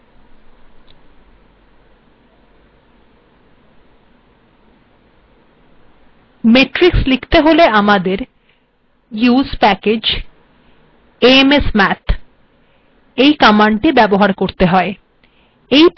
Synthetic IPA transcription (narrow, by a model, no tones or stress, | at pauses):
meʈɾikslikʰt̪eɦoleamad̪eɾ | juspɛked͡ʑ | eemesmɛt̪ʰ | ejkamaɳʈibɛboɦaɾkoɾt̪eɦɔe | ej